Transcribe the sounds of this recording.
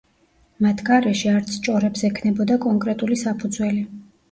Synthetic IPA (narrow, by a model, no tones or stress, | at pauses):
mat̪ʰɡaɾɛʃiaɾt̪sʰt͡ʃʼɔɾɛbsɛkʰnɛbɔd̪akʼɔŋkʼɾɛt̪ʼulisapʰud̪zwɛli